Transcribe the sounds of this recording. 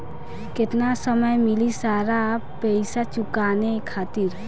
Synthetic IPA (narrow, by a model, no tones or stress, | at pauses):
kɪt̪nasəməjmɪlisaːɾapɛɪsat͡ʃʊkaːnekʰaːt̪ɪɾ